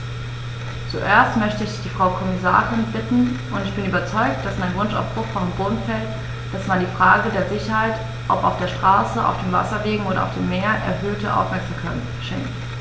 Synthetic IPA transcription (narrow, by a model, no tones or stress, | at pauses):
t͡suʔeːɐstmœçtəɪçd̥iːfʁ̥aʊkʰɔmɪsa̰ːʁɪnb̥ɪtn̩ʔʊntɪçb̥ɪnyːbɐt͡sɔʏk̚t̚d̥asmaɪnvʊnʃa̰ʊfb̥ʁʊxfɔnboːdn̩fɛlt | d̥asmandiːfʁ̥aːɡədeːɐzɪçɐhaɪt | ʔɔpa̰ʊfd̥eːɐʃtʁ̥aːsəʔa̰ʊfd̥eːmva̰sɐveːɡŋ̩ʔoːɾɐʔa̰ʊfd̥eːmːeːɐʔɛ̰ɐɦøːtəʔa̰ʊfmɛɐkz̥amkʰaɪt | ʃɛ̰ŋkt